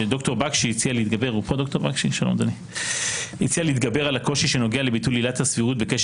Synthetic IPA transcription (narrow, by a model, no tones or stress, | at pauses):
ed̪o̞kto̞ʁbakʃiit͡sialeit̪ɡabe̞ʁupodokto̞ʁbakʃiʃalomd̪ani | it͡sialiit̪ɡabe̞ʁalako̞ʃiʃe̞no̞ɡealebitulːilathasviʁut̚be̞keʃ